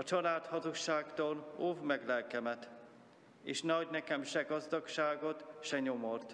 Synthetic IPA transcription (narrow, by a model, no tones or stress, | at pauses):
ɒt͡ʃɒlaːt̪hɒzukʃaːkt̪oːloːvmɛɡlɛlkɛmɛt̪ | ḛːʃnɛɒɟnɛkɛmʃɛɡɒzd̪ɒkʃaːɡo̞t̪ʃɛɲo̞mo̞rt̪